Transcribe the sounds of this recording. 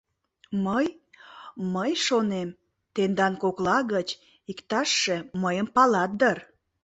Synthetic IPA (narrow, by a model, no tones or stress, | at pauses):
məj | məjʃonem | t̪end̪ɑnkoklɑɣət͡ɕ | ikt̪ɑʃːe̽məjəmpɑlɑt̪̚d̪ər